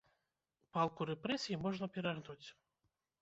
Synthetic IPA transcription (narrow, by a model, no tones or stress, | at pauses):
palˠkuɾɛpɾɛsʲijimɔʐnɐpʲɛɾaɣnut͡sʲ